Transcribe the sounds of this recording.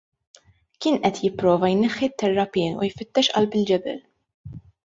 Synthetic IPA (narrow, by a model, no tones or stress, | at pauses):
kɪːnʔɛt̪jɪpːɾɔːvɐjnɛħːit̪ːɛrːɐpɪːnṵjfɪt̪ːɛʃʔɐ̰lbɪld͡ʒɛbɛ̰l